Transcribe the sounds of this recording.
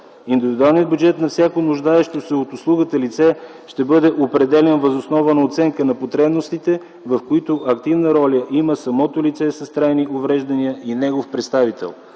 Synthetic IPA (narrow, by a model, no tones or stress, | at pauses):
ind̪ivid̪ualˠnijəd̪̚bjʊd͡ʒɛt̪nɐfsʲjakonʊʒd̪aɛʃt̪osɛot̪ʊslˠuɡət̪əlit̪sɛ | ʃt̪ɛbɤd̪ɛʔopɾɛd̪ɛlɛnvəzosnɔvənəot̪sɛŋkənɐpot̪ɾɛbnost̪it̪ɛ | vɐfkoit̪ʊʔɐkt̪ivnəɾɔlʲəʔiməsɐmɔt̪olit̪sɛsɐst̪ɾajniʔovɾɛʒd̪ɐniəʔinɛɡofpɾɛt̪st̪avit̪ɛ̰lˠ